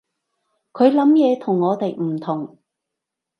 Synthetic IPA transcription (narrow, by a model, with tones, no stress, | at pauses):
kʰɵ˨˧ɥlɐ˨˥mjɛː˨˧t̪ʰʊ˨˩ŋːɔː˨˧t̪e˨jm̩˨˩t̪ʰʊ˨˩ŋ